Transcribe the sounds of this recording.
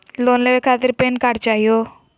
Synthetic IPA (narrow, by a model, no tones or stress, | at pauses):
loːnleʋekʰaːt̪ɪɾpenkaɽt͡ʃajo